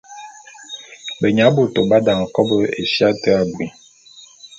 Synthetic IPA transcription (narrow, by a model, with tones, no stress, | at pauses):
bə˨ɲa˨˦bu˦˨to˨ba˦da˨ŋ̩˨kɔ˦bə˦ḛ˨sja˦tə˦a˨bi˨